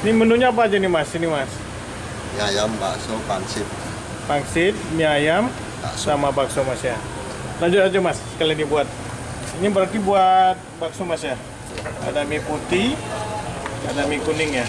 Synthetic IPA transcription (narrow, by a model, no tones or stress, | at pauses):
nimənuɲaːp̬aːd͡ʒanimasinimas | miajamba̰sopaŋsɪt̪̚ | paŋsɪt̪̚miajam | ba̰samabaksomasja | laɲd͡ʒʊt̪ad͡ʒomaskaliadibuat̪̚ | inibəɾat̪ibuat̪̚baksomasja | a̰damiput̪i | adamikunɪŋja